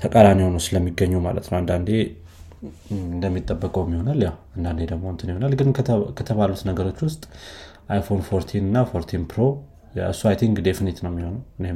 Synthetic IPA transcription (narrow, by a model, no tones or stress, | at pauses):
t̪ʰəkʼalanihonəwsɨləmːiɡəɲːuma̰lə̰t̪nəwɨnd̪and̪e̞ | ɨnd̪əmːit̪ʼːəbːəkʼəwmːiho̞naljawɨnd̪and̪e̞d̪əɡmo̞ɨnt̪ʰɨnjho̞nalɡɨnkʰət̪ʰəβalut̪nəɡəɾo̞t͡ʃːwʊst̪ʼ | ʔajfo̞nfo̞ɾt̪ʰinɨnːafo̞ɾt̪ʰinpʰɾo̞ | jɛ̰ɨsːuajt̪ʰiŋɡd̪efnet̪nəwmːiho̞nəwɨne